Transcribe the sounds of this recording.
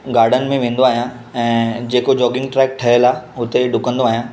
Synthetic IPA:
ɡaːɾɖənɪ̆mẽʋẽːn̆d̪oaːɦijãː | ɛ̃ːd͡ʑeːkod͡ʑɔːɡɪ̃ŋɡʈɾɛːk̚ʈʰɐɦəlaːɦʊt̪eɖʊkə̃nd̪oaːɦijãː

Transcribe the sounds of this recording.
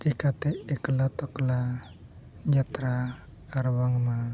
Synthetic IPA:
t͡ʃikat̪eekəlat̪ɔkla | d͡ʒat̪ɾaː | ɾwaŋma

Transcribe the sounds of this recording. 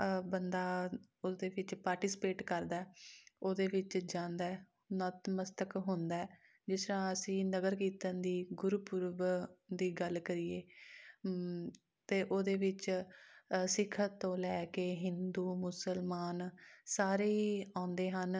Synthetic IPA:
bənd̪aːod̪eːʋɪt͡ʃpaːɾʈiːsɪpeːʈkəɾd̪aːɛːoːd̪eːʋɪt͡ʃd͡ʒãːnd̪aːɛ | nət̪məst̪əkɦʊ̃nd̪aːɛː | d͡ʒɪsɾãːəsĩːnəɡəɾkiːt̪ənd̪iːɡʊɾupʊɾʋd̪iːɡəlkəɾiːeː | t̪eːʔoːd̪eːʋɪt͡ʃ | sɪkʰːət̪ːõːlɛːkeːɦɪnd̪uːmʊsəlmaːnsaːɾeːiãːʊnd̪eːɦən

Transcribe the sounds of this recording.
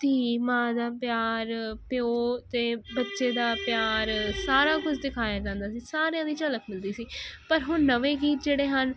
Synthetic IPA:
t̪iːmãːd̪aːpjaːɾpjoːt̪eːbətːʃeːd̪aːpɪjaːɾsaːɾaːkʊt͡ʃʰd̪ɪkʰaːjaːd͡ʒãːnd̪aːsiːsaːɾejãːd̪iːt͡ʃələkmɪld̪iːsiːpəɾɦʊnnəʋeːɡiːt̪̚d͡ʒeːɽeːɦən

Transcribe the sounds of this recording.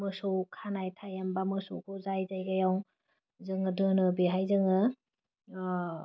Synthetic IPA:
mɯsowkʰanajtʰajambamɯsowkʰozajzajɡajaw | zɯŋɯdɯnɯbiɦajzɯŋɯ

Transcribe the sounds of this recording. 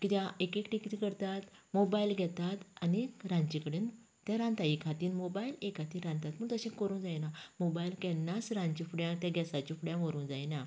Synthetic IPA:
kit̪jãekekʈikit̪ikəɾt̪at̪mobailɡʱɛt̪at̪aniɾãɲt͡ɕikəɽen | t̪jãɾãnt̪ajikʰat̪iːnmobailekat̪iɾãnt̪at̪məɡt̪əɕẽkəɾũnd͡zajnamobailkɛ̃nːasɾãɲt͡ɕifuɽjãt̪jãɡʱɛsat͡ɕifuɽjãʋəɾũːnd͡zajna

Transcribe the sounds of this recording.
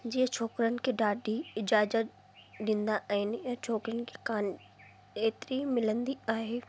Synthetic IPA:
d͡ʑiːə̃t͡ʃʰoːkɾənɪ̆kiɖaːɖiɪd͡ʑaːzət̪̚ | dɪ̃ːnd̪aʔaːɦɪnɪɐ̃ːt͡ʃʰoːkɾənɪ̆ke̥kaːn | eːt̪ɾimɪlə̃nd̪iaːɦeː

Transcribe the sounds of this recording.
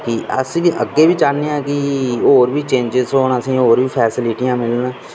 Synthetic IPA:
kɪə̰sʋiːʔəɡːeːbiːt͡ʃaːniːãːkɪoːɾʋiːt͡ʃẽːɲd͡ʒɪzoːnəsĩːoːɾbiːpʰɛːsɪlɪʈijãːmɪlnaː

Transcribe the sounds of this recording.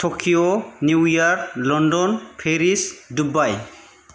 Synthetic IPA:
tʰɔkʰijɔnjujaɹlɔndɔnpʰeɾisdubaj

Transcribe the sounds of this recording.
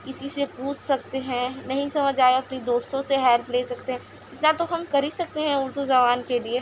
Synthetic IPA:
kɪsisepũːt͡ʃʰsɐk̚t̪eɦɛ̃nɐɦĩsɐməd͡ʒʱaːeɐpnid̪oːst̪õseɦɛlpleːsɐkt̪eɦɛ̃ | ɪt̪nat̪oɦɐmkɐɾisɐk̚t̪eɦɛ̃ʊɾd̪ud͡ʒɐʋaːnkelie

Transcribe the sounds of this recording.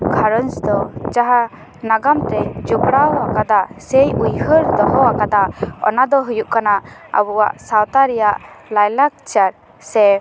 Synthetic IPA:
kʰaɾɔnsd̪ɔd͡ʒaɦa | naɡamt̪ɛd͡ʒubɽawakad̪asɛjujhəɾd̪ɔɦɔakad̪aɔ̰nad̪ɔɦujuʔkanaa̰buwa̰ʔsawt̪aɾɛjaʔlajlak̚t͡ʃaɾ | sɛ

